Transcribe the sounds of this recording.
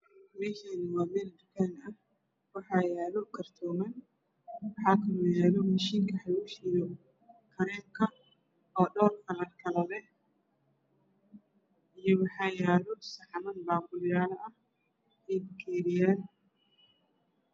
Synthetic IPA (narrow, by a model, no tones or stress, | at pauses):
mɛʃɛːnwaːmɛːld̪ʊkɛːnɐh | wɑħɑːjaːlɔkʰɐrt̪ʰɔːmɐn | wɑħɑːkʰɐlɐjaːlɔmɐʃiːŋkʰɐħaluːʃɪjɔ | kʰɐɾɛːŋkʰɐ | ɔːɖɔːrkʰɐlɐrkʰɐlɐlɛ | ʔijɔwɑħɑːjaːlɔsɐħmɐnbaːkʊljaːlɐʔɐh | idkʰɛːɾɪjaːn